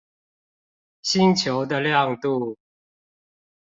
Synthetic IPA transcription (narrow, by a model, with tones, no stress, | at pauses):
ɕi˦nt͡ɕʰjo˨˦ʊd̪ə˨ljɑ˥˨ŋt̪u˥˨